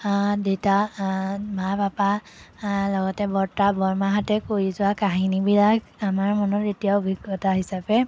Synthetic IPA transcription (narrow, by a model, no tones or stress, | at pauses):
deta | mapapa | lɔɡɔtɛbɔɹtabɔɹmaɦatɛkoɹizʊwakaɦinibilak | amaɹmɔnɔtetijabʱiɡɔtaɦisapɛ